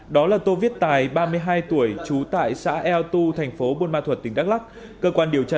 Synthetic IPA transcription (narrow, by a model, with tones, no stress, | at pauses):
ɗɔ˨˦laː˨˩t̪o˧vi˦˥ət̚t̪aː˨˩jɓaː˧mɨ˧əjɦaː˧jt̪u˧˩əjt͡ɕu˨˦t̪a̰ː˧˨jsa̰ː˧˥ʔɛ˧wt̪u˧t̪ʰɛ˨˩jŋ̟fo˨˦ɓo˧nmaː˧t̪ʰwə˨˩t̚t̪ï˨˩ŋ̟ɗa˦˥k̚la˦˥ | kəː˧kwaː˧nɗi˨˩əwt͡ɕaː˧